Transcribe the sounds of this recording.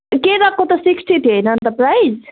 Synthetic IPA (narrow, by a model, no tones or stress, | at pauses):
keɾakːot̪ɔsiksʈit̪ʰiɦəjnənt̪əɾpɾajz